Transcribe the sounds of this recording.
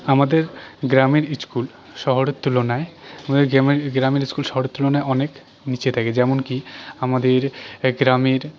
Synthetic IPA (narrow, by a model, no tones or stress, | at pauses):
amad̪eɾɡɾameɾiskul | ʃɔɦoɾet̪ːulonaeamad̪eɾameɾɡɾameɾiskulʃɔɦoɾet̪ːulonaeɔnek | nit͡ɕet̪ʰaked͡ʑɛmonkiamad̪eɾɡɾameɾ